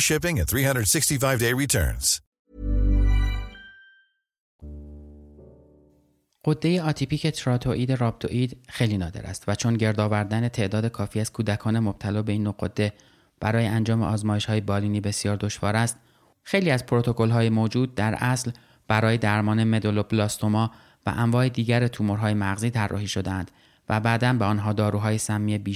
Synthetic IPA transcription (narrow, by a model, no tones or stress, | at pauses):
ʃɪpɪ̃ŋɨnθɹihʌ̃ndɹəd̥sɪkstifaɪvdeɪɹitʰɜ̰˞nz̥ | ɢ̥od̪ːe̞jeɒːt̪ʰipʰiːcʰe̞t̪ʰɾɒːt̪ʰo̞ʔiːd̪eɾɒːb̚t̪ʰo̰ʔiːd̪xejliːnɒːd̪eɾʔæ̰st̪væt͡ʃʰo̞nɟe̞ɾd̪ɒːvæɾd̪æne̞t̪ʰeʔd̪ɒːd̪e̞kʰɒːfiːæz̥kʰuːd̪ækʰɒːne̞mob̥̚t̪ʰælɒːbe̞iːnːoɢod̪̥ːe̞ | b̥æɾɒːjeænd͡ʒɒːmḛʔɒːzmɒːje̞ʃhɒːje̞bɒːliːniːbe̞sjɒːɾd̪o̞ʃvɒːɾæst̪ | xe̞jliːæzpʰɾot̪ʰo̞ko̞lɦɒːjemoːd͡ʒuːd̪̚ːæɾʔæsl | b̥æɾɒːje̞d̪æɾmɒːne̞me̞d̪oloblɒːst̪o̞mɒː | væ̰ʔæmvɒːhed̪iːɟæɾet̪ʰumoɾɦɒːjemæɣziːt̪ʰærːʔɒ̰ːhiːʃo̞d̪eænd̪̥ | væbæd̪ænbeɒːnɦɒːd̪ɒːɾuːɦɒːjesæmːiːebiː